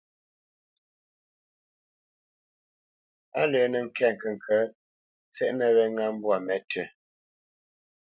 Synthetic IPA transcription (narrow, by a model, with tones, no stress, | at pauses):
a̰˦le˨˦nə˨ŋ̩˦˨kʰɛ˦˨ŋ̩˨kə˨ŋ̩˨kʰə˨˦ | t͡sɛ˦ʔnə˦βɛ˦ŋa˦m̩˦bwa˨mɛ˨˦tʰə˨